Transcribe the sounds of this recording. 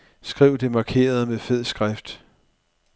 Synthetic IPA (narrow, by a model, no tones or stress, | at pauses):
sɡ̥ʁiʊ̰d̥e̝mɑ̈kʰe̝̰ːɐð̞̩ˠmefeð̰ˠsɡ̥ʁafd̥